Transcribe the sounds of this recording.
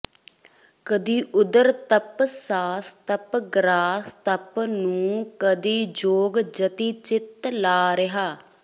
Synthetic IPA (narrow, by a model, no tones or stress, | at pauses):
kəd̪iːʔʊd̪əɾt̪əpsaːst̪əpɡɾaːst̪əpnũːkəd̪iːd͡ʒoːɡd͡ʒət̪iːt͡ʃɪt̪laːɾɪɦaː